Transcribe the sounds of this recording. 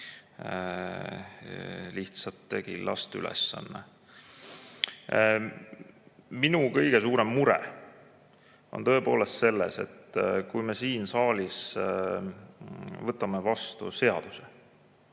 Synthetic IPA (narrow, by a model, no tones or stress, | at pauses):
liht̪sɑt̪ːe̞ɡ̥ilʔɑ̰st̪y̰lʔɛ̰sːɑ̰nːḛ | minukɤ̞jɡ̥e̞suːɾe̞mːuɾḛ | o̞̰nt̪ɤ̞epo̞ːle̞st̪se̞lːḛse̞̰t̪ːˑkujme̞siːnsɑːlʲis | vɤt̪ːˑɑme̞vɑst̪ṵse̞ɑd̪̥use̥